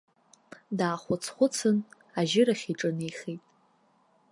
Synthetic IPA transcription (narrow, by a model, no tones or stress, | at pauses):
daːχʷʊt͡sʰχʷʊt͡sʰɨn | aʒɪɾaχʲiʈ͡ʂʼɨnejχijtʼ